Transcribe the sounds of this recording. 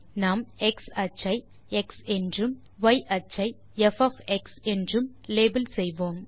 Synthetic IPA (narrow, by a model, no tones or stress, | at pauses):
naːmɛksɐt͡ʃːɐɪ | ɛksɛndrɯm | ʋɐjʔɐt͡ʃːɐɪ | ɛfɐfɛksɛndrɯm | leːbɐlsɛjʋoːm